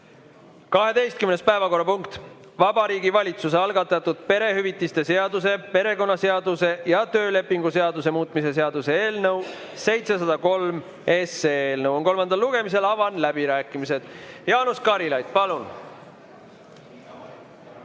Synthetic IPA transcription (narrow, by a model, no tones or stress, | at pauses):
kɑɦe̞d̪e̞jst̪kymne̞spæe̞vɑko̞rːɑpuŋkt̪ | vɑbɑɾiːɡivɑlʲit̪sus̬eɑlɡɑt̪ːˑɑt̪ːud̪̥̚pe̞ɾe̞ɦyvit̪ːˑist̪e̞se̞ɑd̪̥use̞pe̞ɾe̞ko̞nːɑse̞ɑd̪use̞jɑt̪ø̞ːle̞pːˑiŋɡuse̞ɑd̪use̞muːt̪ːˑmise̞se̞ɑd̪use̞eːlnɤw | se̞jt̪se̞sɑd̪̥ɑko̞lm | e̞seeːlnɤwonko̞lmɑnd̪ɑlːuɡ̥e̞mis̬e̞lɑvɑnlæbiɾæːkːˑimise̞d̪̥jɑːnuskɑɾilɑjd̪̥̚pɑlun